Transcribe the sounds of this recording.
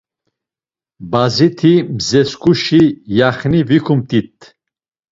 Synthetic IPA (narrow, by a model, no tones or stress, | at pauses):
bazit̪ʰimzɛskʰʼuʃijaχnivikʰumt̪ʼit̪ʰʼ